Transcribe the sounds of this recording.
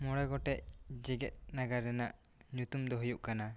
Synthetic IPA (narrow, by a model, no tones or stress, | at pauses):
mɔɽɛɡɔʈɛʔd͡ʒɛɡɛt̪̚naɡaɾɛnaʔɲut̪umd̪ɔɦujuʔkana